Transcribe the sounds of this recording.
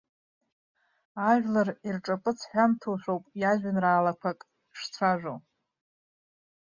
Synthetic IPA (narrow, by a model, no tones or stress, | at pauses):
aʒʷᶣlarirʈ͡ʂʼapʼɨt͡sʰħʷᶣamtʰuʃʷᶣowpʼjaʒᶣʷanraːlakʷʰakʼ | ʂt͡sʷʰaʒᶣʷo